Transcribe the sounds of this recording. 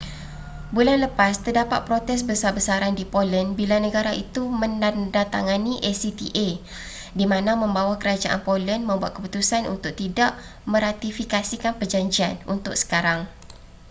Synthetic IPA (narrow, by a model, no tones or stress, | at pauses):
bulanləpast̪ərdapa̰t̪̚pɾot̪ɛs̬bəsabəsaɾandipolənbilanə̃ɡaɾaʔit̪umə̃ndadat̪a̰ŋanĩʔɛsit̪iʔe | dimãnãmə̃mbawakəɾad͡ʒaʔa̰npolənmə̃mbuat̪̚kəput̪usanṵnt̪ʊk̚t̪idaʔmə̃ɾat̪ifikasikanpərd͡ʒaɲd͡ʒianunt̪ʊk̚sə̥kaɾaŋ